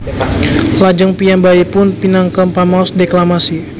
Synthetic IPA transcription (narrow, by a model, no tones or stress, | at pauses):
lad͡ʒaŋpijambaipʊnpinaŋkəmpamaɔsdeklamasi